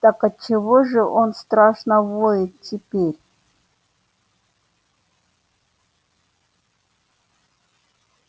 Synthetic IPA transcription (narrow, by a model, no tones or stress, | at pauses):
t̪akat͡ʃɪvoʐɨʔonst̪ɾaʂnɐvojɪt̪̚tʲɪpʲeɾʲ